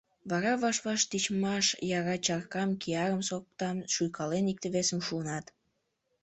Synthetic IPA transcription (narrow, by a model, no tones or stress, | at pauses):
βɑɾɑβɑʃβɑʃt̪it͡ɕmɑʃjɑɾɑt͡ɕɑrkɑmkiɑɾəmsok̚t̪ɑmʃujkɑlenik̚t̪əβesəmʃuənɑt̪